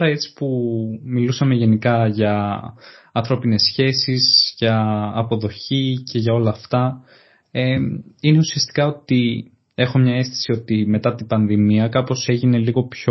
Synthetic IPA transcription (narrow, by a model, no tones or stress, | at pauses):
oɾɐe̞t͡si̥pumilusɐme̞ʝe̞nikɐʝɐ | ɐnθɾo̞pine̞sçe̞sizʝɐːpo̞ðo̞çice̞ʝɐo̞lɐːft̪ɐ | eine̞usiɐst̪i̥kɐo̞t̪i | e̞xo̞mɲɐe̞st̪i̥sio̞t̪ime̞t̪ɐt̪ibɐnðimiɐkɐpo̞se̞ʝine̞liɣo̞pço